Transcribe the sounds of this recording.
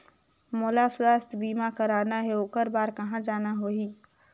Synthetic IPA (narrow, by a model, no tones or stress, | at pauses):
moːlaswaːst̪biːmakəɾaːnaɦeoːkəɾbaːɾkɐɦãd͡ʒaːnaɦoːɦi